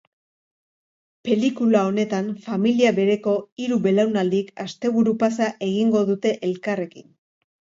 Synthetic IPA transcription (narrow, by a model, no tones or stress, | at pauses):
pe̞likulao̞ne̞t̪anfamiliaβe̞ɾe̞ko̞iɾuβe̞lawnald̪ikast̪e̞β̞uɾupasaʔe̞ɣiŋɡo̞ðut̪e̞ʔelkare̞kin